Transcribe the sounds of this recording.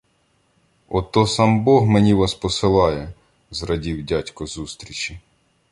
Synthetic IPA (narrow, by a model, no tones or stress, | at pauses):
ɔt̪ɔsɑmbɔɦmenʲiʋɑspɔsɪlˠɑjɛ | zrɐdʲiwdʲatʲkɔzust̪ɾʲit͡ʃʲi